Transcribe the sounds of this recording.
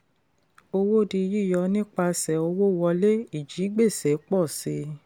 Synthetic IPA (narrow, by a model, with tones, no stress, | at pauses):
o˧wo˦˨di˧ji˦˨jɔ˧nĩ˦k͡pa˧sɛ˨o˧wo˦˨wɔ˧le˦i˦˨d͡ʒi˨˦ɡ͡be˦˨sɛ˨˦k͡pɔ˦˨se˧˦